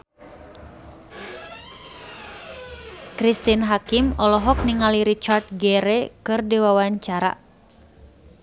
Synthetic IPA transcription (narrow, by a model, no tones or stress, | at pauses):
kɾist̪inɦakimɔlɔɦɔk̚niŋaliɾit͡ʃart̪̚ɡɛɾɛkɨrdiwawaɲt͡ʃaɾa̰